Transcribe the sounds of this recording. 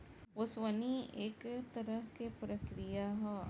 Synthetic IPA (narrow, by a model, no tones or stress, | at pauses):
osʋɐniekt̪ɐɾɐɦkepɾɐkɾijaɦɐ